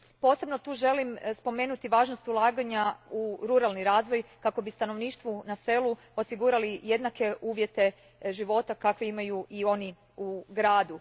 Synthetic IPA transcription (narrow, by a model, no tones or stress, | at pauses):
po̞se̞bno̞t̪uːʒe̞limspo̞me̞ːnut̪iʋaːʒno̞st̪ulˠaːɡaɲauɾuɾalniɾaːzʋo̞jkako̞bist̪ano̞ʋniːʃt̪ʋunase̞lu | o̞siɡuːɾalije̞d̪nake̞ʔuːʋje̞t̪e̞ | ʒiʋo̞t̪akakʋeimajuʔio̞ni | uɡɾaːd̪u